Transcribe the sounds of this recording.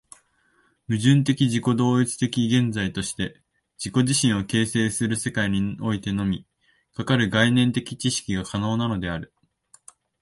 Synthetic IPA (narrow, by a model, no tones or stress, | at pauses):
mɯ̟ʑɨ̃nt̪̬e̞kʲiʑiko̞d̪o̞ːit͡sɨ̥t̪e̞kʲiɡẽ̞nd͡zait̪o̞ɕi̥t̪e̞ | d͡ʑiko̞ʑiɕĩɰ̃o̞ke̞ːse̞ːsɨɾɯ̟se̞kaiɲ̟io̞it̪e̞no̞mʲi | kakaɾɯ̟ɡainẽ̞nt̪e̞kʲi̥t͡ɕiɕi̥kʲiɡakano̞ːnano̞d̪e̞aɾɯ̟